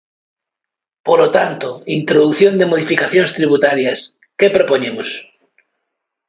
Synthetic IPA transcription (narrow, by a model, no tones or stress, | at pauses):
polot̪ant̪oint̪ɾoðuθjond̪emoð̞ifikaθjoŋst̪ɾiβut̪aɾjɐs | kepɾopoɲemos